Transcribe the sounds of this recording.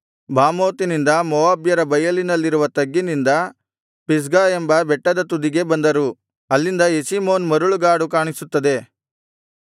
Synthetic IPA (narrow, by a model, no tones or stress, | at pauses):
bʱaːmoːt̪inind̪ɐmɔʋaːbjɐɾɐbɐjɐlinɐlːiɾuʋɐt̪ɐɡːinind̪ɐ | pis̬ɡaːembɐbɛʈːɐd̪ɐt̪ud̪iɡe̞bɐnd̪ɐɾu | ɐlːind̪ɐesimo̞ːnmɐɾuɭuɡaːɽukaːɳisut̪ːɐd̪e̞